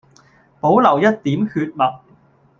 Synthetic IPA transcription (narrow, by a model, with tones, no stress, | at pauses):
po˨˥wlɐ˨˩wjɐ˥t̚t̪iː˨˥mhyː˧t̚mɐ˨t̚